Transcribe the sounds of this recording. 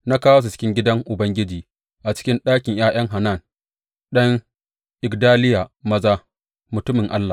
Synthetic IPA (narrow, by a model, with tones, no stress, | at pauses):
na˦kaː˦wa˦su˨t͡ʃɪ̥˦kʲɪ˦ŋɡʲɪ˦dɐ˦ŋʔʊ˨bɐ˦ŋɡʲɪ˦d͡ʒiː˨ | ʔa˨t͡ʃɪ̥˦kʲɪ˦nɗaː˦kʲɪ˨ŋjaː˦j̰ɐ˦ŋɦa˨na˦˨n | ɗɐ˦ŋ | ʔɪ˨ɡdaː˦lɪ˦ja˨mɐ˦zaː˦ | mʊ˨tʊ˦mɪ˨ŋʔa˦lːa˨